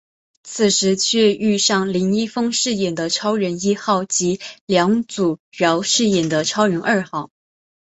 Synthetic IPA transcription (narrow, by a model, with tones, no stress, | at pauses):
t͡sʰɹ̩˨˩ʂɻ̩˧˥t͡ɕʰɥɛ˥˧y˥˧ʂɑ˥˩ŋli˧˥ŋi˥fɤ˥ŋʂɻ̩˥˩jɛ˨˩nd̪ə˦ʈ͡ʂʰɑ˥ʊɻə˧˥ni˥xɑ˥˩ʊt͡ɕi˧˥ljɑ˧˥ŋt͡su˨˩ɥɑ˧˥ʊʂɻ̩˥˩jɛ˨˩nd̪ə˦ʈ͡ʂʰɑ˥ʊɥɛ˧˥nʔə˞˥˧xɑ˥˩ʊ